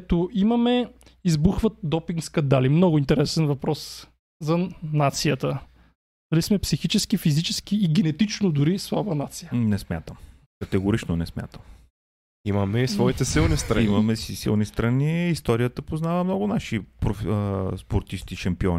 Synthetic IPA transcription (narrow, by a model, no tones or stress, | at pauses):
t̪oʔimɐmɛ | izbuxvət̪̚d̪ɔpiŋɡskɐnd̪alimnɔɡʊint̪ɛɾɛsɛnvɐpɾɔs | zɐnat̪sijət̪ə | d̪ɐlismɛpsixit͡ʃɛskifizit͡ʃɛsk̟iːɡʲɛnɛt̪it͡ʃnod̪ʊɾislˠabənat̪sijənɛsmja̰t̪əm | kɐt̪ɛɡoɾit͡ʃnonɛsmʲja̰t̪əm | imɐmɛisvɔit̪ɛsilˠnist̪ɾɐimɐmɛsisḭlˠnist̪ɾɐniist̪ɔɾiət̪əpoznavəmnɔɡʊnaʃipɾofəspoɾt̪ist̪iʃɐmpiɔni